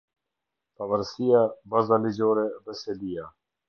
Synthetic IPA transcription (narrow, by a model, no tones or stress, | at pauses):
pavaɾsijabazalid͡ʑɔɾɛðɛsɛlija